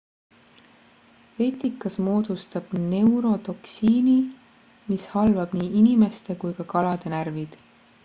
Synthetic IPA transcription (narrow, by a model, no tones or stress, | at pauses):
ve̞t̪ikˑːɑsmo̞ːd̪̥ust̪ɑb̥ne̞wɾo̞t̪o̞ksiːni | mishɑlvɑb̥niːʔinime̞st̪e̞kujkɑkɑlɑd̪̥e̞nærvid̪̥